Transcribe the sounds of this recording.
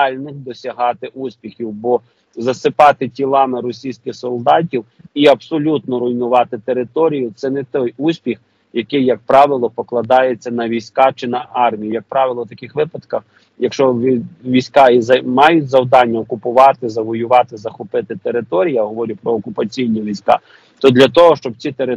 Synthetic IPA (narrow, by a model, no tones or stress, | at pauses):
ɑlʲnɪxd̪ɔsʲɐɦɑt̪ɪʔusʲpʲixʲiwbɔ | zɐsɪpɑt̪ɪtʲilˠɑmɪɾɔsʲijsʲkɪxsɔlˠd̪ɑt̬ʲiw | iɐbsɔlʲut̪nɔɾʊjnʊʋɑt̪ɪt̪eɾɪt̪ɔɾʲijʊt̪sɛnɛt̪ɔjusʲpʲix | jɐkɪjːɐk̚pɾɑʋɪlˠɔpɔklˠɐd̪ɑjet͡sʲːɐnɐʋʲijsʲkɑt͡ʃɪnɐʔɑrmʲijijɐk̚pɾɑʋɪlˠɔt̪ɐkɪxʋɪpɐd̪kɐx | jɐkʃt͡ʃɔʋʲijsʲkɑizɐmɑjʊtʲzɐwd̪ɑnʲːɐɔkʊpʊʋɑt̪ɪzɐʋɔjʊʋɑt̪ɪzɐxʊpɪt̪ɪt̪eɾɪt̪ɔɾʲijɐɦɔʋɔɾʲipɾɔɔkʊpɐt͡sʲijnʲiʋʲijsʲkɑ̰ | t̪ɔd̪lʲɐt̪ɔɦɔʃt͡ʃɔb̚t͡sʲit̪eɾɪ